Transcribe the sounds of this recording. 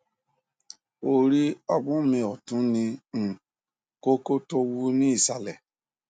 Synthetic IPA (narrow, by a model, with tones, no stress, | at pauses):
o˦˨ɾi˦ɔ˧bũ˦˨mĩ˧ɔ˨tũ˨˦nĩ˧˨ | ko˦ko˦to˧wu˦nĩ˦i˦˨sa˨lɛ˨